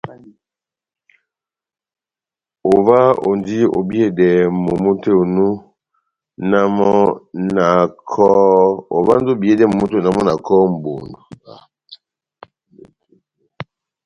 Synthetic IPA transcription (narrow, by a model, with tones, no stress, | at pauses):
o˨va˦o̰˨ndi˦o̰˨bi˦e˦dɛ˨mo˨mu˦te˦o˨nu˦ | na˦mɔɔ˦na˨kʰɔ˦o˨va˦n˦do˦˨bi˦e˦dɛ˦mo˨mu˦te˦˨na˦mɔ˦na˨kʰɔ˦m̩˨bo˨ndu˨a˨